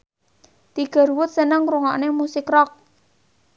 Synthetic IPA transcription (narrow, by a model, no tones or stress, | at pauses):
t̪iɡ̥ə̤rwʊt̪̚sənəŋɾuŋɔ̰ʔnemusɪkrɔk̚